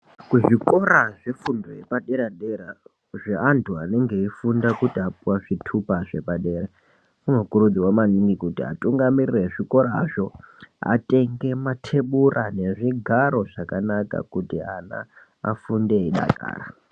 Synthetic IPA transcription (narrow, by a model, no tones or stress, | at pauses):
kuʐiko̞ɾaʐefundojepaɗe̞ɾaɗeɾa | ʐeʔantʰuane̞ŋɡe̞ifundakutiapuwaʐ̥itʰupaʐe̞paɗe̞ːra | munokurud͡ziwamaniŋɡikutia̰tuŋɡamirire̞ʐiko̞ɾa̰ːʐo̞a̰te̞ŋɡe̞matʰe̞ɓurʔane̞ʐiɡʱaɾo̞ʐakanaka̰kutiana̰ | a̰funde̞iɗa̰ka̰ːra̰